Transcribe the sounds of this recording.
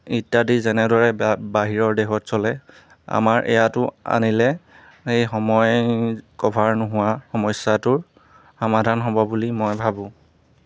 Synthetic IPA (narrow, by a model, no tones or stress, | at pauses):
itːadizɛnɛdɔɹɛbaɦiɹɔɹdɛxɔtsɔlɛ | a̰maɹʔɛ̰jatʊa̰nilɛ | ejxɔmɔjkɔbʰʱaɹnʊɦʊwaxɔmɔsatʊɹ | xɔmadʱanɦobɔbulimɔjbʱabʊ̃